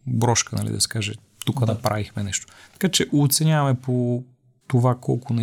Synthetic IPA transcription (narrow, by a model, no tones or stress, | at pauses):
bɾɔʃkənɐ̰lḭd̪ɐ̰sɛ̥kaʒɛ | t̪ukəd̪ɐpɾavixmɛnɛʃt̪o̥t̪ɐ̥kat͡ʃɛʔot̪sɛnʲavɐmɛpo | t̪ovakɔ̰lˠkʊnɛ